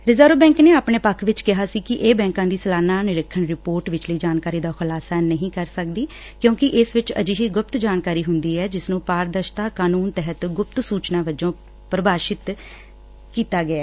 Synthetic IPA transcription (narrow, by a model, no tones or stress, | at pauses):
ɾɪzaːɾoːbɛ̃ːŋkneːaːpɳeːpəkʰːʋɪt͡ʃkɪɦaːsiːkɪʔeːbɛ̃ːŋkãːd̪iːsəlaːnãːnɪɾəkʰːəɳɾɪpoːɾʈʋɪt͡ʃləiːd͡ʒaːnkaːɾiːd̪aːxʊlaːsaːnəɦĩːkəɾsək̚d̪iː | kjõːkɪʔɪsʋɪt͡ʃə̰d͡ʒiːɦiːɡʊp̚t̪d͡ʒaːnkaːɾiːɦʊnd̪iːɛːd͡ʒɪsnũːpaːɾd̪əʃt̪aːkaːnuːnt̪ɛɦət̪ɡʊp̚t̪suːt͡ʃnãːʋəd͡ʒõː | pɾəbaːʃɪt̪ | kiːt̪aːɡəaː